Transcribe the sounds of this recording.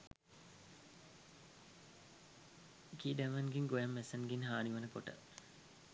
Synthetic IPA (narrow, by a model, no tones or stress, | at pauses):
kiːdæmənɡiŋɡojamːesənɡinɦaːniʋənəkoʈə̰